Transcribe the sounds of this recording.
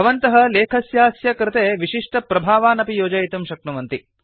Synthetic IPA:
ɐʋɐnt̪ɐɦɐ̆leːkʰɐsjaːsjɐkɾɪt̪eːʋiʃiʂʈɐpɾɐbʱaːʋaːnɐpijoːd͡ʒɐjt̪umʃɐk̚nuʋɐnt̪i

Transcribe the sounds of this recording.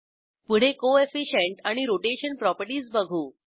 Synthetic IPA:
puɽ̤ekoefiɕeɳʈaɽ̃iɾoʈeɕənpɾɔpəɾʈiːsbəɡʱuː

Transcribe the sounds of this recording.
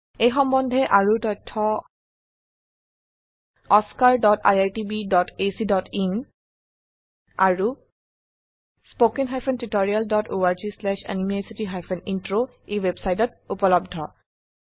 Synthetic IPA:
ejxɔmbɔndʱɛʔaɹutɔjtʰːɔ | ɔskaɹdɔtʰa̰jaɹtibidɔtʰesidɔtʰin | aɹu | spokinɦajpʰɛntɹitɔɹialdɔtʰoaɹzislɛʃa̰nimesitiɦajpʰɛnintɹo | ewebsajtɔt̚upɔlɔb̚dʱɔ

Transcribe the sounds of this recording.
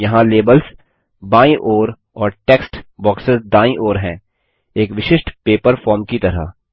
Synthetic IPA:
jɐɦãleːbəls | baːĩʔoːɾ | ɔːɾʈeːksʈbɔːksɪzd̪ãːĩʔoːɾɦɛ̃ː | eːkʋɪʃɪʃʈpeːpəɾfɔːɾmkit̪ɐɾa̰

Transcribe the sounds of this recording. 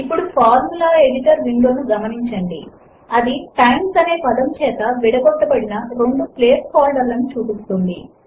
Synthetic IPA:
ipːuɽupʰaːɾmulaːe̞ɽiʈɐɾʋiɳɖo̞ːnuɡɐmɐniɲt͡ʃɐɳɖḭ | ɐd̪iʈaːɳsɐne̞ːpɐd̪ɐmt͡ʃɛːt̪ɐʋiɽɐɡɔʈːɐbɐɽinɐɾo̞ɳɖupleːskaːlɖɐɾlːɐnut͡ʃuːpist̪und̪i

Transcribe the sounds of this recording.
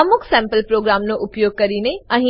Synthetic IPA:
ɐmʊksɛ̃ːmpəlpɾoːɡɾaːmnõʔʊpjoːɡ̚kɐɾiːneɐ̃ɦ

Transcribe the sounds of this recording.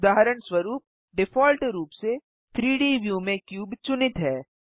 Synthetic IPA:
d̪aːɦəɾəɳ̃swɐɾuːp̚ | ɖɪfɔːlʈɾuːpse | t̪ʰɾiːɖiːʋjuːmẽkjuːbt͡ʃʊnɪt̪ɦɛː

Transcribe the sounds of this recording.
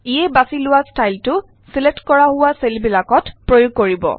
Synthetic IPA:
iɛbasilʊwastajltʊ | siletkɔɹaɦʊwaselbilakɔtpɹojʊɡ̚koɹibɔ̰

